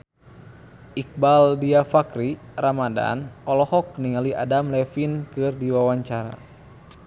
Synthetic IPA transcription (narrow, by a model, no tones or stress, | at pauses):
ik̚baldiafakɾiramada̰nɔlɔhɔk̚niŋaliʔadamlɛfinkɨrdiwawaɲt͡ʃaɾa̰